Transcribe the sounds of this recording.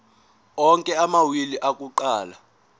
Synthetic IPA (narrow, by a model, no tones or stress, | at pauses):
ɔŋkʼɛamawiliʔak̬ʼuǃaːla